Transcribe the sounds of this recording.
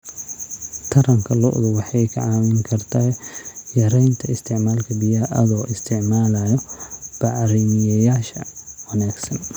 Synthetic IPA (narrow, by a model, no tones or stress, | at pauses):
t̪ʰɐɾɐŋkʰɐlɔ̰ʔðʊwɑħɑjkʰɐʕɑːmɪŋkʰɐrt̪ʰɐjɐɾɛjnt̪ʰɐɪst̪ʰɪʕmaːlkʰɐbɪjɐʔɐðɔːʔɪst̪ʰɪʕmaːlajɔb̥ɑʕɾɪmɪjɐjaːʃɐwɐnaːɡsɐn